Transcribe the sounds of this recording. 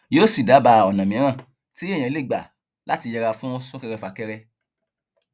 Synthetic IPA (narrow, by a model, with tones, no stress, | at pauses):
jo˦si˨da˨˦ba˧ɔ˨nã˨mĩ˨˦ɾ̃ã˦˨ | ti˦ẽ˦˨ã˨˦le˦˨ɡ͡ba˨ | la˨˦ti˧jɛ˧ɾa˧fũ˦ɔ˧sɔ̃˦kɛ˧ɾɛ˧fa˨kɛ˧ɾɛ˧